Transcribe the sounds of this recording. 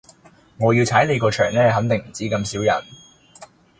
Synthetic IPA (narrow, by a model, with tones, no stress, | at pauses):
ŋɔː˨˧jiː˧wt͡sʰaː˨˥jle˨˧jkɔː˧t͡ʃʰœː˨˩ŋnɛː˥ɦɐ˨˥ŋt̪ɪ˨ŋm̩˨˩t͡siː˨˥kɐ˧msiː˨˥wjɐ̰˨˩n